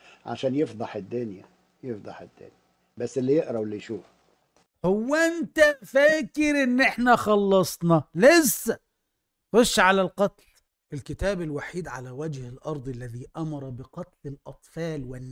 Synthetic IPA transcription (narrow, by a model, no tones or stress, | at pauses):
ʕa̰ʃæːnjɪfd̪ˤɑħɪd̪ːʊnjæ | jefd̪ˤɑ̰ħɪd̪̥ːʊ̰njæ | bæsːɪlːijɪʔɾɑwɪlːijʃuːf | hʊwːæʔɪnt̪æfæːkɪɾʔɪnːʔɪħnæxɑlːɑsˤnɑlɪsːæ | xoʃːʕalælqɑt̪l | ɪlkɪt̪æːbɪlwaħiːd̪ʕalæwæd͡ʒhɪlʔɑɾˤd̪ˤalːæðiːʔamɑɾˤɑbɪqɑt̪lɪlʔɑt̪ˤfɑːlwɪnː